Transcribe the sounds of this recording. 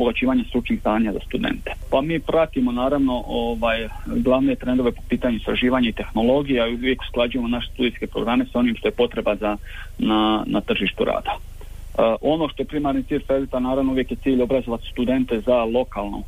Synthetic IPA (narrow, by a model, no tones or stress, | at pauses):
boɡat͡ɕiːʋaɲast̪ɾut͡ʃnixst̪aːɲazast̪ud̪ḛnt̪e̥pamiːpɾat̪imo̞naːɾaʋno̞ʔoːʋaːj | ɡlˠaʋnet̪ɾe̞nd̪o̞ʋepo̞piːt̪aɲuist̪ɾaʒiːʋaːɲait̪e̞xno̞lo̞ɡijeaiuujeku̥sklˠad͡ʒuje̞mo̞naʃest̪ud̪ijske̞pɾoɡɾame̞sao̞nimʃt̪o̞je̞po̞t̪ɾe̞baza | nana̰t̪r̩ʒiːʃt̪uɾa̰ːd̪̥a | ʔo̞no̞ːʃt̪o̞je̞pɾimaɾnit̪siːʎʲfɾelit̪anaːɾaʋno̞uʋje̞kje̞t̪iːʎo̞bɾazoʋat̪st̪ud̪e̞nt̪e̞zalˠo̞kaːlˠno̰